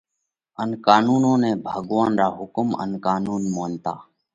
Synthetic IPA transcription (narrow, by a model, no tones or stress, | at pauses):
ənkaːnuːnõːnẽːbʱəɠʋaːnɾaːɦʊkmə̰nkaːnuːnmoːnt̪a̰ː